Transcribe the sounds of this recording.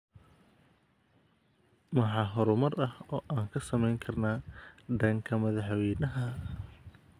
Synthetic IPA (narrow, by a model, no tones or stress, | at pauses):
mɑħɑːɦɔɾʊmɐrɐhɔːʔaːŋkʰɐsɐmɛjŋkʰɐrnaːɖ̪ɐŋkʰɐmɐðɑħwɛjnɐɦɐ